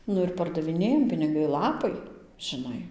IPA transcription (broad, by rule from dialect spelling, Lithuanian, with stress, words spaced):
ˈnʊ ɪr pɐrdɐʋʲɪˈnʲeːjɛm pʲɪnʲɪˈɡɐɪ ˈlˠɑːpɐɪ ʒʲɪˈnɐɪ